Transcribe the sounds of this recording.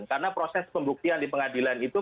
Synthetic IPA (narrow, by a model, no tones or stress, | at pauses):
nkarənapɾosɛspəmbuk̚t̪iandipəŋadilanit̪u